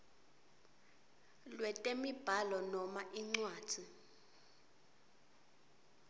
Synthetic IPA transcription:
lwɛtʼemib̥ʱalɔnɔmaʔiŋ͡ǀwaːd̥d̥ʱi

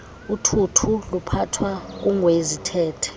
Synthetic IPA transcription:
utʰutʰulupʰatʰwak̬uŋwezitʰɛːtʰɛ̥

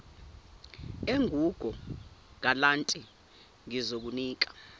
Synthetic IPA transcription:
eŋʱuɡ̥ʱɔŋalantʼɛ | ŋizok̬uniːk̬ḁ

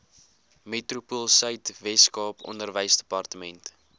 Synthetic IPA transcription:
metrupulˠsœɥtvɛtskɑːpɔ̰ndərvəjsdəpɐrtəmɛnt

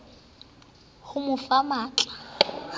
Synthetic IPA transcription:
hʊmʊfamaːt͡ɬʼḁ

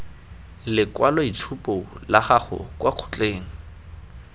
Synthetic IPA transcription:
lɪkwalɔit͡sʰupʼolaχaχʊ̰kwaq͡χʰʊ̥t͡ɬʼeːŋ̩

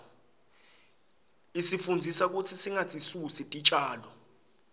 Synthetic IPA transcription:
isifund͡zʱisak̬ʼutʰisiŋat͡sʼisusitʼit͡ʃʼaːlɔ

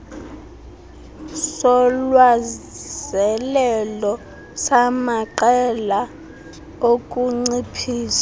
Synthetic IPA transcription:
sɔlwazɛlɛlɔ | samaǃɛla | okʼuŋ͡ǀipʰiːsḁ

